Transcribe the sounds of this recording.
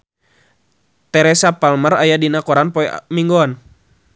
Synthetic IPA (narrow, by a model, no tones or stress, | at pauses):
t̪ɛɾɛsapalmərajadinakɔɾanpɔɛ̰miŋɡɔn